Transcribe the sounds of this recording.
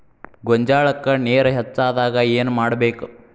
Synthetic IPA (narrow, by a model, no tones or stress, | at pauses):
ɡɔɲd͡ʒaːɭɐkːɐneːɾɐɦɛt͡ʃːaːd̪aːɡɐeːnumaːɽɐbeːku